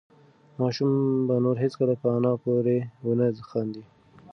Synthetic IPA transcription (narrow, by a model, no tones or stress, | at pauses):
mɑʃumbanoɾɦet͡skəlapəanɑpoɾeunəzəxɑnd̪i